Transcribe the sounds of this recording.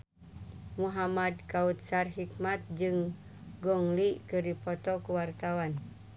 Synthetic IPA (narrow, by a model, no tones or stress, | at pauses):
muɦamadkaut̪̚sarɦik̚mat̪̚d͡ʒɨŋ | ɡɔŋlikɨrdipɔt̪ɔkuwart̪awan